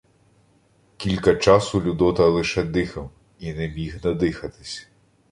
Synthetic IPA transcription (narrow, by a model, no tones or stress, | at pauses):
kʲilʲkɐt͡ʃɑsʊlʲʊd̪ɔt̪ɐlˠɪʃɛd̪ɪxɐw | inemʲiɦnɐd̪ɪxɐt̪ɪ̥sʲ